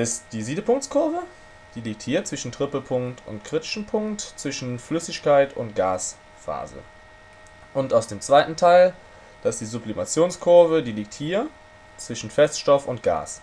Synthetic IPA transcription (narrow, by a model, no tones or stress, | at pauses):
ʔɪstd̥iːziːdəpʊŋkt͡skʰʊɐvə | d̥iːliːk̚thiːɐt͡sv̥ɪʃn̩tʁ̥ɪpəpʰʊŋktʰʊ̰ntkʁ̥ɪtɪ̥ʃn̩pʰʊŋktt͡sv̥ɪʃn̩flʏsɪçkʰaɪtʊntɡ̥a̰ːs | fa̰ːzə̰ | ʔʊntaʊsd̥eːmt͡sv̥aɪtn̩tʰaɪl | d̥aɪstd̥iːzʊplimat͡sjoːnskʰʊɐvədiːliːk̚thiːɐ | t͡sv̥ɪʃn̩fɛstʃtɔfʊnt̚ɡ̥a̰ːs